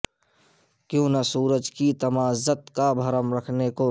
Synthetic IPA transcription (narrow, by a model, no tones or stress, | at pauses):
kjõːnɐsuːɾəd͡ʒkit̪ɐmaːzət̪kabʱɐɾəmɾəkʰneko